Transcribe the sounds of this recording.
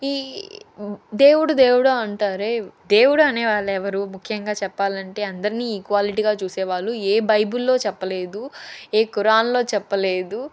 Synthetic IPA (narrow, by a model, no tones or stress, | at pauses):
iː | d̪e̞ːwuɽud̪e̞ːwuɽaɐɳʈaːɾeːd̪e̞ːwuɽɐɐneːʋaːɭːɛʋɐɾumukʰjɐŋɡaːt͡ʃɛpːaːlɐɳʈe̞ːɐnd̪ɐɾiniːkʋaːliʈ̬iɡaːt͡ʃuːseːʋaːɭːueːbɐjbulːo̞ːt͡ʃɛpːɐle̞ːd̪ueːkuɾaːnlo̞ːt͡ʃɛpːɐle̞ːd̪u